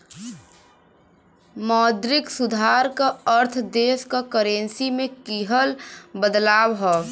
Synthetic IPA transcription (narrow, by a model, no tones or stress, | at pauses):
mɔːd̪ɾɪksʊd̪ʱaɾkaəɾt̪ʰd̪eskakəɾensimẽkiɦəlbəd̪laːbɦɔ